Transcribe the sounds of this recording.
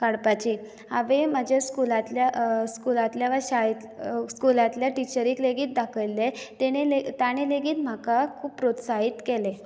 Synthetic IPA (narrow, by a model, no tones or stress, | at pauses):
kaɽpat͡ɕiː | a̰ʋemad͡ʑʱaskulat̪ljaskulat̪ljaʋəɾɕait̪skulat̪ljaʈit͡ɕəɾikleɡiːt̪̚d̪akʰəjlːet̪eɽ̃elet̪aɽ̃eleɡiːt̪m̤akakʰuːpːɾot̪saɦit̪kɛle